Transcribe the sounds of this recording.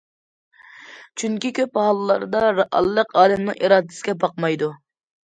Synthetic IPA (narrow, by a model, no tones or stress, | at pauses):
t͡ʃʰyŋkʲikʲøphɑlˠɨlˠɑɾd̪ɑɑ̰llːəqɑːlɨmnɨʔiɾɑːd̪ɪ̥sɪ̥ɡʲɛbɑq̚mɑjd̪u